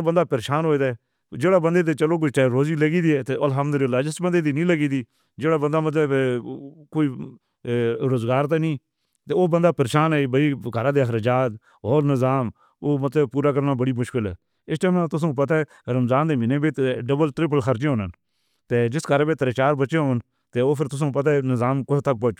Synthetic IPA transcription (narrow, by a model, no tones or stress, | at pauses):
bənd̪aːpəɾeːʃaːnɦoːeːd̪aːɛ | d͡ʒeːɽaːbənd̪eːt̪̬eːt͡ʃəloːk̬ʊt͡ʃɛːɾoːziːləɡiːd̪iːɛːt̪eːəlɦəmd̪əlɪlːaːd͡ʒɪsbənd̪eːd̪iːnĩːləɡiːd̪iː | d͡ʒeːɽaːbənd̪aːmət̪ləb | koːiː | ɾoːzɡaːɾt̪aːnĩː | t̪eːoːbənd̪aːpəɾeːʃaːnɛːbəiːɡəɾãːd̪eːəɦɾəd͡ʒaːt̪ | oːɾnɪzaːm | oːmət̪ləbpuːɾaːk̬əɾnaːbəɽiːmʊʃkɪlɛː | ɪsʈəːmãt̪ʊs̬õːp̬ət̪aɛ | ɾəmzaːnd̪eːmɪneːbeːɖəbəlt̪ɾɪp̬əlxʰəɾd͡ʒeːɦoːnən | t̪eːd͡ʒɪskəɾbeːt̪əɾeːt͡ʃaːɾbəːʃẽɦoːn | t̪eːoːpʰɪɾt̪ʊs̬õːpət̪̬anɪzaːmkʊt̪ək̚poː